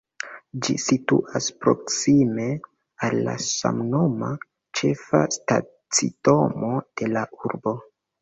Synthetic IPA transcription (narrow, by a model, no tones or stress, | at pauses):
d͡ʒisituʔaspɾo̞ksime̞ | alːa̰sa̰mno̞ma | t͡ʃe̞fa̰sta̰ | t͡sḭto̞mo̞d̥e̞lauɾbo̞